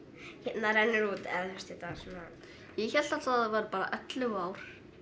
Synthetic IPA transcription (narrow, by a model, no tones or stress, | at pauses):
hɛp̪naɾɛnːɪɾuːt̪ɛ̰ðθɛst̪ɛt̪asɔna | jɛçɛl̥t̪at̪θaðvaɾpaːɾa̰ʔœt̪lɪaːwɾ̥